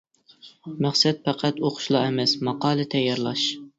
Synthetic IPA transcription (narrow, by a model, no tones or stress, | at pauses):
mæχsɛt̪̚pæqʰæt̪oqʰʊ̥ʃlˠɑemɛsmɑqɑːlˠɨt̪ʰɛjːɑɾlˠɑʃ